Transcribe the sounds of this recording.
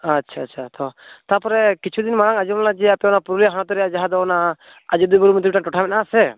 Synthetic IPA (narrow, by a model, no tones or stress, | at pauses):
atːt͡ʃʰaːtːt͡ʃʰat̪ɔt̪apɔɾɛkit͡ʃʰud̪inmaɾaŋad͡ʒubnlad͡ʒɛapɛɔnapuɾulijaɦaɽ̃ɔt̪ɔɾɛjaʔd͡ʒaɦad̪ɔɔna | ad͡ʒud̪ubuɾumit̪ʰɔbiʈaʈɔʈʰamɛtnasɛ